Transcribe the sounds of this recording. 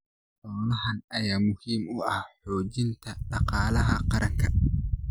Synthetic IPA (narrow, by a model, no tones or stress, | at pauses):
ħʊːnɐhɐnɐjaːmʊhiːmʊʔɐhħɔːd͡ʒɪnt̪ʰɐɗɑqɑːlɐɦɐqɑɾɐŋkʰɐ